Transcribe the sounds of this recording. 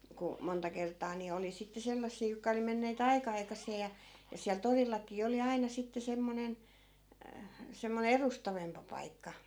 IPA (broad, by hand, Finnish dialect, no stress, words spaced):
ku montɑ kertˑɑː ni oli sitːe selːɑsːiː jokːɑ oli menːeːt ɑikɑ ɑikɑsˑeː jɑ jɑ siæl torilːɑkˑiː oli ɑinɑ sitːe semːonen semːone erustɑʋempɑ pɑikːɑ